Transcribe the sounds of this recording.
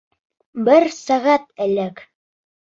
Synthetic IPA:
bɘɾsæʁæt̪̚ɘ̆læk

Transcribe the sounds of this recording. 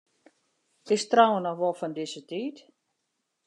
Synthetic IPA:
ɪstrawənɔxʋɔlˠfɔndɪsətiːt

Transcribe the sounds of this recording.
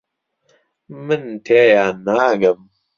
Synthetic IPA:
mənt̪ʰejanaːɡɐm

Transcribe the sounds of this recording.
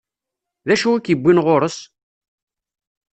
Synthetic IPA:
ðæʃuækːjəbʷːinʁoɾəs

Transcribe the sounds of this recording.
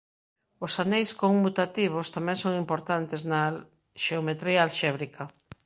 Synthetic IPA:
osanejskoŋmut̪at̪iβ̞ost̪amɛ̃ŋsoŋimpoɾt̪ant̪ezna | ʃeomet̪ɾiɐːlʃɛβɾikɐ

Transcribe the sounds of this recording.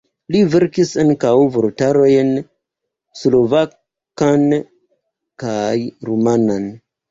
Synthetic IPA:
live̞ɾkisaŋkawvoltaɾo̞jn | slo̞va | kan | kajɾumanan

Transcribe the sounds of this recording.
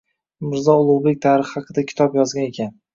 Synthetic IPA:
mɪɾzɒʊlˠʊwbe̞k̚ʲt̪ʰaɾɪχːɑqʰɨd̪akʲʰɪ̥t̪ʰɒpjɒzɡʲanekʲan

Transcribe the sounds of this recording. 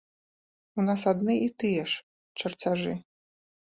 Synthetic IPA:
unas̬ad̪nɨit̪ɨjɛʂ | t͡ʂɐrt͡sʲaʐɨ

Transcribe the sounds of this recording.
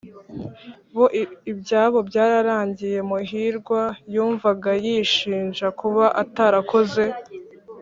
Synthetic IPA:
βo̞ʔibɟaːβo̞bɟaːɾaɾaːɲɟije̞muɦiːɾɡwajuːɱvaɡajiʃiːnʒakuβaʔataɾakʰo̞ze̞

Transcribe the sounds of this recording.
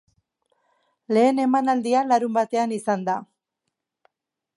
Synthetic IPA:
le̞ːne̞manald̪ialaɾumbat̪e̞anisand̪a

